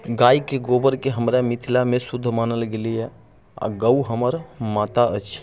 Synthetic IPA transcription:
ɡaikeɡobəɾkeɦəmɾamit̪ʰilamesud̪ʱːmanəlɡelijɛ | a̰ɡəuɦəməɾmat̪aʔət͡ʃʰ

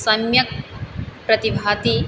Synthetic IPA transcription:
sɐnjɐk̚pɾɐt̪ibʱaːt̪i

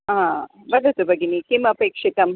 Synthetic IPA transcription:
ɦa | bɐd̪ɐt̪ubʱɐɡinikimɐpeːkʂit̪ɐm

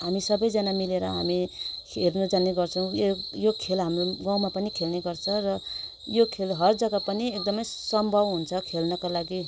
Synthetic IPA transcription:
ɦamisʌbʌjd͡zanamileɾʌ̰ɦa̰mikʰernud͡zaneɡʌrt͡sʰʌw̃jejokʰelɦamroɡãw̃mapʌnikʰelneɡʌrt͡sʰʌrʌ | jokʰelɦʌrd͡zʌɡapʌniek̚d̪ʌmʌj | sʌmbʱʌbɦunt͡sʰʌkʰelnʌkalaɡi

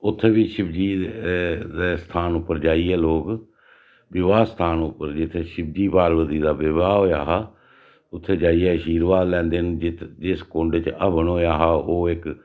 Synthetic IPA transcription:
ʊt̪ʰːeːbiːʃɪbd͡ʒiː | d̪eːst̪ʰaːnʊpːəɾd͡ʒaːiɦɛːloːɡ | bɪʋaːst̪ʰaːnʊpəɾd͡ʒɪt̪ʰːeːʃɪbd͡ʒiːpaːɾbət̪iːd̪aːbɪʋaːɦoːjaːɦaː | ʊt̪ʰːeːd͡ʒaːiɛːʃiːɾʋaːlɛ̃ːnd̪end͡ʒɪt̪d͡ʒɪskʊ̃ɳɖt͡ʃəbəɳoːjaːɦaːoːɪk

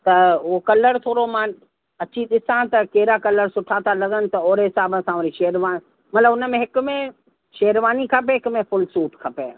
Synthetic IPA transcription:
t̪ɐokɐləɾt̪ʰoːɾomãn | ɐt͡ɕiɗɪsãt̪ɐkeːɾakɐləɾsʊʈʰaːt̪ʰalɐɡənɪ̆t̪ɐoːɾɦɪsaːbəsãʊɾiʃeːɾʋani | mɐt̪ləbʊnəmẽɦɪkʊmẽ | ʃeːɾʋaːnikʰɐpeɦɪkmẽfʊlsuːʈkʰɐpeː

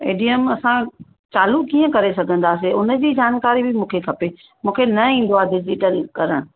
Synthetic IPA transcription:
ḛːɖijəmɐsã | t͡ɕaːlukiːə̃kɐɾesɐɡʱə̃nd̪aːs̬eʊnə̆d͡ʑiːd͡ʑaːnkaːɾibʱɪmũːkʰekʰɐpe | mũːkʰenɐĩːn̆d̪oaːɖɪd͡ʑɪʈəlkɐɾəɽ̃ʊ̆

